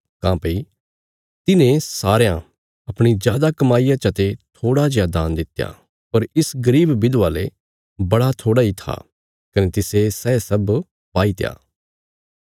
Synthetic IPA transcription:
kãːpɐi | t̪ɪnẽsaːɾejã | ɐpɽ̃id͡ʒjaːd̪akɐmaːijãt͡ʃɐt̪et̪ʰoːɽad͡ʒjaːd̪aːnd̪ɪt̪ːja̰ | pɐɾɪsɡɐɾiːbːɪd̪ʋaːle | bɐɽat̪ʰoːɽait̪ʰa̰ | kɐnet̪ɪsesɛːsɐb | paːit̪eja̰ː

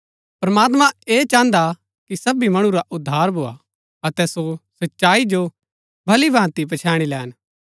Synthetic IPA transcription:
pɾɐmaːt̪̬mãeːt͡ʃãːnd̪a | kisɐbimɐɽ̃ũɾaʔʊd̪ʱːaːɾbʱoːa̰ | ɐt̪ɛsosɐtːʃaːid͡ʒo | bʱɐlibʱãːt̪ipɐt͡ʃʰaːɽ̃ilɛːn

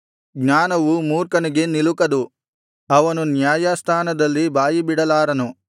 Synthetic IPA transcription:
ɡɲaːnɐʋumuːɾkɐniɡe̞nilukɐd̪u | ɐʋɐnunjaːjast̪ʰaːnɐd̪ɐlːibaːjibiɽɐlaːɾɐnu

